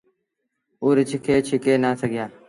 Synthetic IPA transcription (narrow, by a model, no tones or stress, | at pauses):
ʊːɾɪt͡ʃʰɪkʰeːt͡ʃʰɪkeːnaːsəɡɪjaː